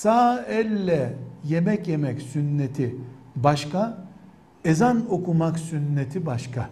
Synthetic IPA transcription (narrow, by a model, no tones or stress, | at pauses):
saːɛlʲːɛjemɛcjemɛcsynːet̪ʰibaʃka | ezano̞kʰumaksynːet̪ʰibaʃkʰa